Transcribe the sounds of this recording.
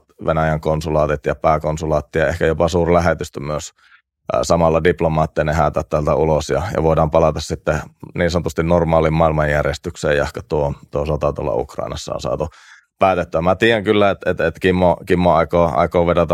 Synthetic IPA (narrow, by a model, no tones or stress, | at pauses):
tʋenæjæŋkonsulɑːt̪it̪jɑpæːkonsulɑːt̪ːijɑehkæjopɑsuːrlæɦet̪yst̪myøs | sɑmɑlːɑdiplomɑːt̪ːiɑnehæːt̪æt̪t̪ælt̪æulosjɑ̰jɑ̰ʋoˑidɑːmpɑlɑt̪ɑssit̪ːeniːnsonot̪ust̪innormɑːlimmɑˑilmɑjjærjest̪yksḛːjjɑ̰hkɑt̪uot̪uosot̪ɑt̪ṵlːɑ̰ṵkrɑ̰ˑinɑ̰sːɑ̰o̰nsɑ̰ːt̪u | pæːt̪et̪ːyæmæt̪iːjæŋkylːæet̪et̪et̪kimːokimːoɑikoːɑ̰ikoːʋedot̪ɑ